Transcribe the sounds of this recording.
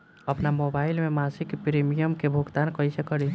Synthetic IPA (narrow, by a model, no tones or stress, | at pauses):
əpnamobaːɪlmemasɪkpɾimijəmkebʱuɡt̪aːnkəjsekəɽi